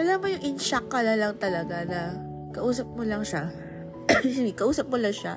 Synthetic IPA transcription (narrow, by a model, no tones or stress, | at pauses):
ʔɐlamojʊŋʔɪnʃakːɐlɐlɐŋt̪ɐlɐɡanɐ | kɐʔuːsɐp̚molɐŋʃa | siɡɪkɐʔuːsɐp̚molɐŋʃa̰